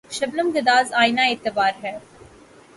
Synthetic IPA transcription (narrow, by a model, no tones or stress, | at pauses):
ʃɐbləmɡɪd̪aːzaːjnaɪt̪ːɪbaːɾɦɛː